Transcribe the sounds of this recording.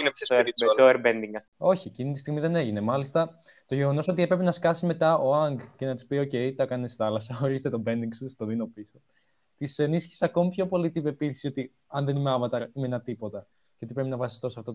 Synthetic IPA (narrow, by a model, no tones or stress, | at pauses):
ineoeɾbend̪iŋɡɐso̞çiecinit̪ist̪iɣmiðe̞ne̞ʝine̞mɐlist̪ɐ | t̪o̞ʝe̞ɣo̞no̞sot̪ie̞pɾepenɐskɐsime̞t̪ɐoɐŋɡce̞nɐt̪i̥spio̞ce̞jt̪ɐkɐnesθɐlɐsɐo̞ɾizet̪et̪obe̞niŋɡsust̪o̞ðino̞piso | t̪ise̞nisçi̥sɐko̞mipço̞po̞lit̪ipepiθi̥sio̞t̪i | ɐnðe̞nimeɐvɐt̪ɐɾimenɐt̪ipo̞t̪ɐ | ceo̞t̪ipɾe̞pinɐvɐsi̥st̪o̞sɐft̪o